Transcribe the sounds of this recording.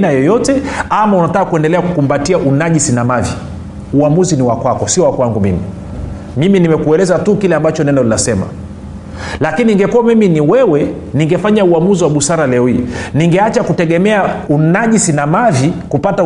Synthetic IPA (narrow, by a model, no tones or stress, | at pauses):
najɔjɔtɛamaunatakakuɛndɛlɛakukumbatiaʔunaʄisinamavi | uamuziniwakwakɔsiɔwakwaŋɡumḭmi | miminimɛkuɛlɛzatukilɛambat͡ʃɔnɛndalilasɛma̰ | lakininiŋɡɛkuwamiminiwɛwɛ | niŋɡɛfaɲauamuziwaɓusaɾalɛɔhḭːniŋɡɛat͡ʃakutɛɠɛmɛaunaʄisinamavikupata